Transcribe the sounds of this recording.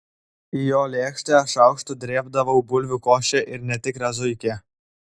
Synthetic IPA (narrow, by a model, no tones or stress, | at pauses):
ɪjoːlʲeːkʃʲt̪ʲeːʃɑʊkʃt̪ʊd̪ʲɾʲeːbd̪ɐʋɐʊbʊlʲʋʲʊkoːʃʲɛʔɪɾnʲɛt̪ʲɪkɾʲɐzʊɪkʲeː